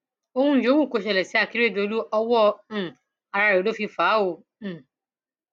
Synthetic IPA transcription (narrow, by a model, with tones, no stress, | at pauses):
o˧hũ˧˦jo˨˦wu˦˨ko˨˧˨ʃɛ˧˨lɛ˨si˨˦a˦˨ki˨˦ɾe˦˨do˨˧lu˦ɔ˧wɔ˦˨ | a˧ɾa˧˨ɾo˨˦lo˦fi˧faː˨˦õ˧˨